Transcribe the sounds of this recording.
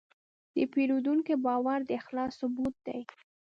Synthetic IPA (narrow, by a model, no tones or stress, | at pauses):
d̪̥əpeɾud̪uŋkebɑwaɾd̪əɪxlɑsʊbut̪̚d̪a̰j